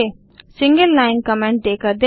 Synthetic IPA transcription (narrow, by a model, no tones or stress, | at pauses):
e | sɪ̃ŋɡəlːaːɪ̃nkəmẽɳʈ̚ɖeːkəɾd̪e